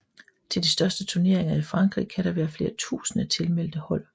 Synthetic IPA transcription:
t͡sʰe̝ld̥isd̥ɶɐsd̥ət͡sʰuɐne̝ɐeŋɐifʁɑ̈ŋɡ̥ʁḭːkʰæɾ̥ɑ̈ʋæːɐfle̝ːɐt͡sʰṵːsənət͡sʰe̝lmel̰d̥əhɒ̽l̰

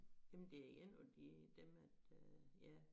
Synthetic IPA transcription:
jæmn̩d̥e̝ɐiɡ̥enɒd̥id̥emæd̥jæ

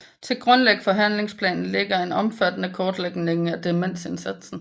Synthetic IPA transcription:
t͡sʰe̝lɡ̥ʁɔ̽nleɡ̥əfɒ̽ɦæn̰le̝ŋspʰlɛ̰ːnn̩le̝ɡ̥ɐe̝nɒ̽mfæd̥nəkʰɒːd̥leɡ̥ne̝ŋn̩æd̥e̝men̰se̝nsæd̥sn̩

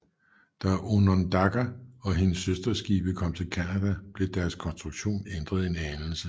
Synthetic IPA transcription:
d̥æʔonond̥ɑɡ̥æɒ̽ɦe̝nəsːøsd̥ɐsɡ̥ḭːb̥əkʰɒ̽m̰t͡sʰe̝lkʰænæd̥æb̥le̝d̥æɐskʰɒ̽nsd̥ʁuɡ̥ɕo̝̰ːnend̥ʁɐðˠe̝nænl̩sə

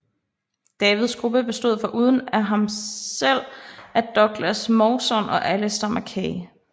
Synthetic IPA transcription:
d̥ɛːʋið̞̩ˠsɡ̥ʁub̥əb̥e̝sd̥o̝ð̞̰ˠfɒ̽ʔuːð̞ˠən̩æɦɑ̈msel̰æd̥ɒ̽ɡ̥læsmɒsɒ̽nʔɒ̽ʔæləsd̥ɑ̈mʔækʰɛː

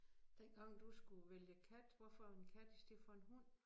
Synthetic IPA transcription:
d̥enɡ̥ɑ̈ŋ̰d̥usɡ̥uʋeljəkʰæd̥ʋɒfɒenkʰæd̥isd̥e̝fɒe̝nɦun̰

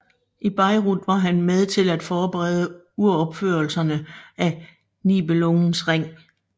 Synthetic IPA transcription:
ʔib̥ɑ̈ɪʁud̥ʋɑ̈ɦænmeð̞ˠt͡sʰe̝læd̥fɒːb̥eʁɛð̞ˠə | uɐɒ̽b̥føɐl̩sɐnəæ | nib̥eloŋn̩sʁeŋ̰

